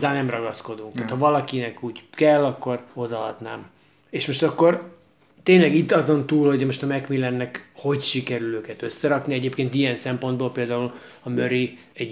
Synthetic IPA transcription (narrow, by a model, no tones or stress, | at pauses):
zaːnːɛmrɒɡɒsko̞d̪uŋkt̪aːt̪hɒvɒlɒkinɛkuːɟkɛlːɒkːo̞ro̞d̪ɒɒ̰d̪na̰ːm | eːʃmo̞ʃt̪ɒkːo̞r | t̪eːnlɛɡit̪ːɒzo̞nt̪uːlho̞ɟmo̞ʃt̪ɒmɛkmilɛnːɛkho̞ɟʃikɛɾyløːkɛt̪øsːɛɾɒkniɛɟeːpkeːnt̪ijɛnsɛmpo̞nd̪boːlpeːld̪aːul | ɒmøɾi | ɛɟ